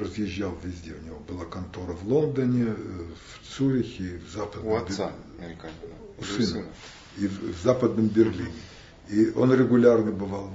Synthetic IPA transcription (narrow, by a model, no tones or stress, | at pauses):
rəzjɪʑːalˠvʲɪzʲdʲeʊnʲɪvo̞bɨlˠakɐnt̪o̞ɾəvlˠo̞nd̪ənʲɪft̪suɾʲɪxʲivzapəd̪ʲ | ʊsɨn | ivzapəd̪nəmbʲɪrlʲinʲɪ | io̞̰nɾʲɪɡʊlʲarnəbɨvalˠ